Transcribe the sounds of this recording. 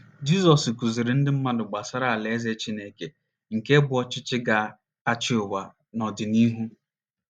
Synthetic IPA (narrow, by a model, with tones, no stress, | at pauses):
d͡ʒi˦zɔ˨sku˨zi˨ɾɪ˨n̩˦dɪ˦m̩˦ma˦dʊ˨ɡ͡ba˨sa˦ɾa˦˨a˨le˨e˦ze˦t͡ʃi˦ne˦ke˨ | ŋ̩˨ke˦bʊ˨˦ɔ˦t͡ʃɪ˦t͡ʃɪ˦ɡa˨ | a˦t͡ʃɪ˦ʊ˨wa˨ | nɔ˨dɪ˨ni˦ɦu˦